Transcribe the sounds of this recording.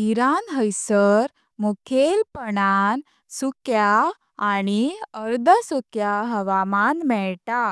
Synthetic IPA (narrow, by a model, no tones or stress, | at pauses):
iɾanɦəjsəɾ | mukʰelpəɽan | sukjaː | ɽ̃iəɾd̪ʱəsukjaɦəʋamanmɛɭta